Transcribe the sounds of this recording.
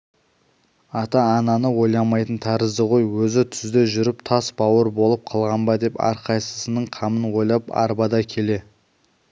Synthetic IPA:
ɑt̪ɑːnɑnəwo̞jlˠɑmɑjt̪ənt̪ʰɑɾəzd̪əʁo̞jwɵzɪt̪ʰʏzd̪e̞ʒʏɾɪpt̪ʰɑsbɑwəɾbo̞lˠəp̚qʰɑlˠʁɑnbɑd̪e̞pɑ̰ɾqʰɑjsəsənəɴqʰɑmənwo̞jlˠɑpɑ̰ɾbɑd̪ɑkʲʰe̞le̞

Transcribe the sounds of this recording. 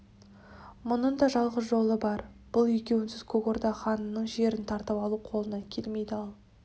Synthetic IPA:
mʊnəɴd̪ɑʒɑlˠʁəsʒo̞lˠəbɑɾb̥ʊlˠekʲe̞wɪnsɪz̥kʰɵɡoɾd̪ɑχɑnənːəɴʒe̞ɾɪnt̪ʰɑɾt̪əpɑlˠuqʰo̞lˠənɑkʲʰe̞lme̞jd̪ɪɑlˠ

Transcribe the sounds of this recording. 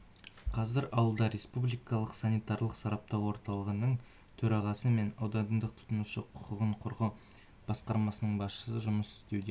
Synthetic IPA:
qʰɑzɪɾɑwəlˠd̪ɑɾe̞spublijkɑlˠəqsanijt̪ɑɾlˠəqsɑɾɑp̚t̪ɑwwo̞ɾt̪ɑlˠəʁənəɴ | t̪ʰɵɾɑʁɑsəme̞nɑwd̪ɑnnd̪əq̚t̪ʰʊ̥t̪ənuʃəqʰʊ̥qəʁəɴqʰʊɾʁə | b̥ɑsqɑɾmɑsənəɴbɑsʃə̥səʒʊməsɪ̥st̪e̞wd̪e

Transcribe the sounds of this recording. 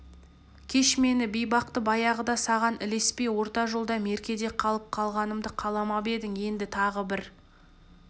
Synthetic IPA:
kʲʰe̞ʃme̞nɪbijbɑq̚t̪əbɑjɑʁəd̪ɑsɑʁɑnɪ̰le̞spe̞jwo̞ɾt̪ɑʒolˠd̪ɑme̞ɾkʲe̞d̪e̞qʰɑlˠəp̚qʰɑlˠʁɑnəmd̪əqʰɑlˠɑmɑbe̞d̪ɪŋe̞nd̪ɪt̪ʰɑʁəbɪɾ

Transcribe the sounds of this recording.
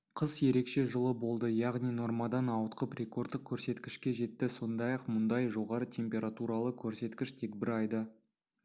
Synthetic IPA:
qʰəzje̞ɾe̞kʃe̞ʒəlˠəbo̞lˠd̪əjɑʁnijno̞ɾmɑd̪ɑnɑwət̪qəpɾʲe̞ko̞rd̪ːəq̚kʲʰɵɾse̞t̪kʲɪʃkʲe̞ʒe̞t̪ːɪso̞nd̪ɑjɑqmʊnd̪ɑjʒo̞ʁɑɾət̪ʲʰe̞mpʲe̞ɾat̪uɾɑlˠəkʲʰɵɾse̞t̪kʲɪʃt̪ʰe̞kbɪɾɑjd̪ə

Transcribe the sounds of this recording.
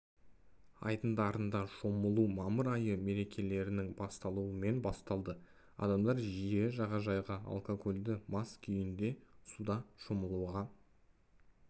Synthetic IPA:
ɑ̰jt̪ənd̪ɑɾənd̪ɑʃo̞məlˠumɑməɾɑjəme̞ɾe̞kʲʰe̞le̞ɾɪnɪŋbɑst̪ɑlˠuəme̞nbɑst̪ɑlˠd̪ə | ɑ̰d̪ɑmd̪ɑɾʒije̞ʒɑʁɑʒɑjʁɑɑ̰lˠkokʰolʲd̪ɪmɑskʲʰʏjɪnd̪e̞sud̪ɑʃoməlˠuʁɑ

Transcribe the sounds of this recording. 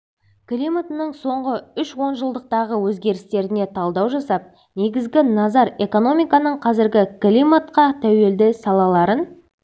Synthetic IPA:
klʲimat̪ənəɴso̞ɴʁəʏʃwo̞nʒəlˠd̪əq̚t̪ɑʁəwɵzɡʲe̞ɾɪst̪e̞ɾɪne̞t̪ʰɑlˠd̪ɑwʒɑsɑp̚ | ne̞ɡʲɪzɡʲɪnɑzɑɾe̞ko̞no̞mijkɑnəɴqʰɑzɪɾɡʲɪklʲimat̪qɑt̪ʰæwe̞ld̪ɪsɑlˠɑlˠɑɾən

